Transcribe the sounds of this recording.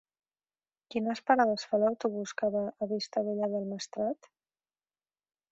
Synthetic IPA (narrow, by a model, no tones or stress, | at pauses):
kinəspaɾaðəsfalawt̪uβuskaβaʔːβist̪əβuʎaðəlˠməst̪ɾat̪